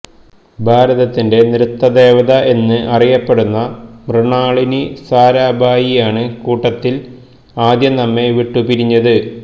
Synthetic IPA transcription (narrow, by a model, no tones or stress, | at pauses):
bʱaːɾɐðɐt̪ːinde̞niɾut̪ːɐd̪e̞ːʋɐðɐʔe̞nːɨʔɐrijɐpːe̞ɽunːɐmrɨɳaːɭinisaːɾaːbʱaːjijaːɳɨkuːʈːɐt̪ːil | aːd̪jɐnɐmːe̞ʋiʈːupiɾiɲːɐðɨ